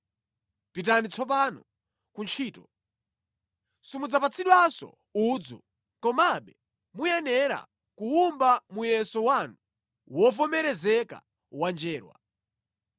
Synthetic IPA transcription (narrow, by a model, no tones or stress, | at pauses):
pitanit͡sʰɔp̬anɔ | kunt͡ʃʰiːtɔ | sumud͡zapat͡sʰiɗwasɔ̰ | uːd͡zɔ | kɔmaɓɛ | mujɛnɛɾa̰ | kuumbamujɛsɔwanu | wɔvɔmɛɾɛzɛka̰ | wand͡ʒɛːɾwa̰